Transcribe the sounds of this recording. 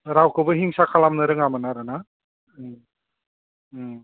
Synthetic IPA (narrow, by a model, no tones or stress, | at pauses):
ɾawkʰɯbɯɦiŋsakʰalamnɯɾɯŋamɯnaɾɯna